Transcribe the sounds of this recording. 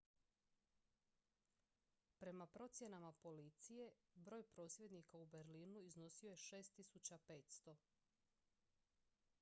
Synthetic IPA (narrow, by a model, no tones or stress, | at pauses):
pɾe̞mapɾo̞t̪sje̞namapo̞lit̪sije̞bɾo̞ːjpɾo̞ːsʋje̞d̪nikaube̞ɾliːnuizno̞sio̞je̞ʃe̞ːst̪isut͡ɕape̞ːt̪st̪o̞